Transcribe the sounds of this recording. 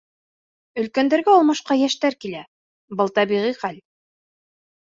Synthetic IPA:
ɵ̆lkænd̪æɾɡæɒlˠmɑʃqɑjæʃt̪æɾkilæ | bɤlˠt̪ɑbiʁiχæl

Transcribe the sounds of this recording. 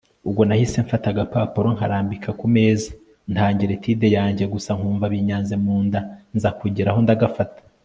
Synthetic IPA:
ubɡo̞nahise̞ɱfataɡapapoɾo̞ŋ̥haɾaːmbikʰakume̞ːzḁ | ntaːɲɟiɾetʰiːde̞jaːɲɟe̞ɡusaŋhuːɱvaβiɲaːnzemuːndanzakuɟiɾaho̞ndaɡafatḁ

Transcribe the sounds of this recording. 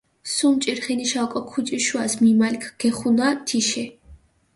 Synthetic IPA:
sumt͡ʃʼiɾχɛniʃalkʼɔkʰut͡ʃʼiʃuasmimalikʰɡ̥ɛχunat̪ʰiʃɛ

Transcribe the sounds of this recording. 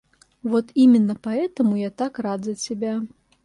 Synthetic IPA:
vɔt̪imʲɪnːɐpaɛt̪ɐmujat̪akrad̪zʲɐt͡sʲabʲa

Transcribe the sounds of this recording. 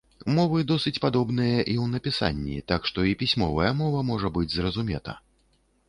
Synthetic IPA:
mɔvɨd̪ɔsɨt͡sʲpad̪ɔbnɨjɐʔiwnɐpʲisa̰nʲːḭt̪akʂt̪ɔipʲisʲmɔvɐjɐmɔvɐmɔʐɐbɨd͡zʲzrɐzumʲɛ̰t̪ɐ̰

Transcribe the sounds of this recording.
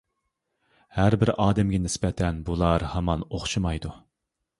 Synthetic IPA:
hæɾbɪɾɑːd̪ɛmɡʲɛnɪspɛt̪ʰɛnbulˠɑɾhɑmɑnoχʃumɑjd̪u

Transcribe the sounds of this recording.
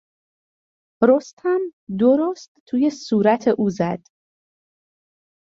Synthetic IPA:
ɾost̪hæmd̪oɾost̪t̪ʰːuːje̞suːɾæt̪ʰe̞ʔuːzæd̪̥

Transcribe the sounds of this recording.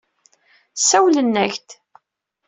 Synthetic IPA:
sæwlənːæçt̪

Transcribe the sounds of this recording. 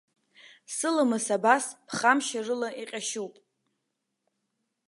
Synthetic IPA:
sɨlamɨsabaspʰχamʃarɨlaʔiqʲʼaʃuwpʼ

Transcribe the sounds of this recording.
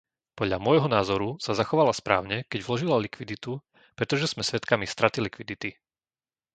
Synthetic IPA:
pɔd̪ʎa̰mʊɔjɦɔnaːzɔɾusazaxɔʋalaspɾa̰ːʊɲɛkɛɟvlɔʒilalikʋid̪it̪u | pɾɛt̪ɔʒɛz̥mɛsʋɛt̪kamist̪ɾat̪ilikʋid̪it̪i

